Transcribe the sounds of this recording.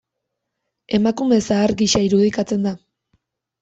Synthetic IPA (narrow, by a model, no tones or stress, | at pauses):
e̞makume̞saːɾɡiʃaiɾuðikat͡se̞nd̪a